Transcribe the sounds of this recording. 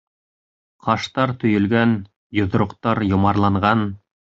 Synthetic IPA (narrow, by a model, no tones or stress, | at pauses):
qʰɑʃt̪ɑɾt̪ɵ̆jɵ̆lɡæn | jŏð̆ɾŏqt̪ɑɾjŏmɑɾlˠɑɴɢɑn